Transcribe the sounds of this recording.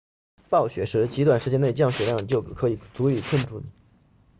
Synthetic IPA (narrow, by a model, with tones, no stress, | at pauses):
pɑ˥˩ʊɕɥɛ˨˩ʂɻ̩˧˥t͡ɕi˧˥t̪wa˨˩nʂɻ̩˧˥t͡ɕjɛ˥ne˥˧ɪt͡ɕjɑ˥˩ŋɕɥɛ˨˥ljɑ˥˩ŋ˩t͡ɕjo˥˩ʊ˩kʰɤ˧˥i˨˩t͡su˧˥y˨˩kʰə˥˧nʈ͡ʂu˥˩nḭ˨˩˦